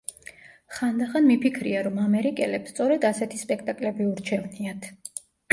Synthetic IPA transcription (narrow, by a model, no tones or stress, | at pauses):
χand̪aχanmipʰikʰɾiaɾɔmamɛɾikʼɛlɛpst̪sʼɔɾɛd̪asɛt̪ʰispʼɛk̚ʰt̪ʼakʼlɛbiuɾt͡ʃʰɛvniat̪ʰ